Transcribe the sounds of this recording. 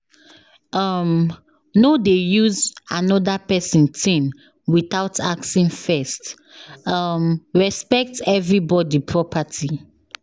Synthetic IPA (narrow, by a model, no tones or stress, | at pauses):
ʌm | nodejuzanɔdapɛsɔ̃ntʰĩn | wiθaʊtʰa̰k̚sĩnfɛst | ʌmɹɛspɛk̚tɛvɹibɔdipʰɹɔpʰatʰi